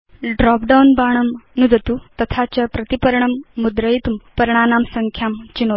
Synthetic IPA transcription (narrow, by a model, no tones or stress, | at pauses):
ɖɾɔpɖawnbaɳ̃əmnud̪ʱt̪ut̪ɐt̪ʰat͡ɕapɾɐt̪ipəɾɳ̃əmːud̪ɾəit̪umpəɾɳ̃anamsəŋkʰjamt͡ɕino